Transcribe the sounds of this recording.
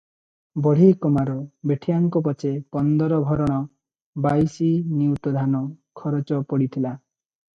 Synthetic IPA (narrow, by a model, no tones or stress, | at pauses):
bɔɽ̤ikɔmaɾɔbeʈʰijaŋkɔp̬ɔt͡ʃepɔnd̪ɔɾɔbʱɔɾɔɽ̃ɔ | bajsiniut̪ɔd̪ʱanɔkʰɔɾɔt͡ʃɔpɔɽit̪ʰila